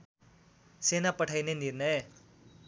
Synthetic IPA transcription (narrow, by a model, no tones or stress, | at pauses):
senapəʈʰajneniɾnəj